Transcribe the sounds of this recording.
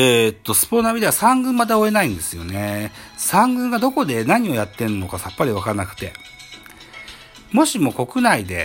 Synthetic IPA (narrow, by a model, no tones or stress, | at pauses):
et̪ːo̞sɨ̥ponamʲid̪e̞asãŋɡɯ̟̃mːat̪aoe̞naĩnd̪e̞sɨjo̞̰ne̞sãŋɡɯ̟̃ŋɡad̪o̞ko̞d̪e̞naɲ̟io̞jat̪ːe̞ɯnːokasapːaɾʲiβakaɾanakɯ̟̥t̪e̞ | mo̞ɕimo̞ko̞kɯ̟naid̪e̞̰